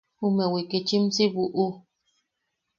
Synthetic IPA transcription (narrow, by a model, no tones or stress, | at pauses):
umewikit͡ʃimsiβuʔu